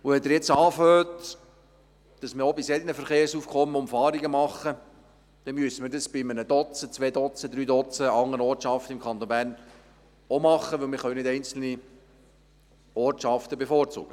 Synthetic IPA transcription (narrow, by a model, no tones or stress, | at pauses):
ʊʋɛdəɾjɛt͡sɑːføːt | d̥ɑsmɪɾobisɛd̪ənəfəɾχeːɾsuːfkʰɔmːəʊmfɑːɾiɡəmɑχə | d̪̥ɛmyəsəməɾdəsb̥ɪmənəd̥ɔt͡sət͡sʋɛːd̪ɔt͡səd̪ɾyːdɔt͡səɑŋːənɔːtt͡ʃɑft̪əɪmkʰɑnt̪onbæːrn | omɑχːəʋɵlmɪɾχœʊnɪtɛɪnt͡sl̩ni | ɔːɾtʃɑft̪əbefoːɾt͡sṵːɡ̥ə